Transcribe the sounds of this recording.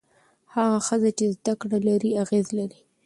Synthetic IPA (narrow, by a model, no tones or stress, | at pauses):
haɣaxəzat͡ʃezd̪akɽalaɾiaɣezlaɾi